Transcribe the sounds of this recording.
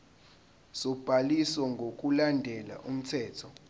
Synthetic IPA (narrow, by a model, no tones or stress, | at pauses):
sɔb̥ʱaliswɔŋɡʱokʼulandʱɛla̰ʔum̩tʰɛːtʰɔ